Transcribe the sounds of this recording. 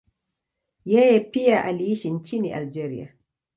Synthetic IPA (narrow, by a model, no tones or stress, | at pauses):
jɛjɛpiaʔaliiʃint͡ʃiniʔa̰ld͡ʒɛɾḭa̰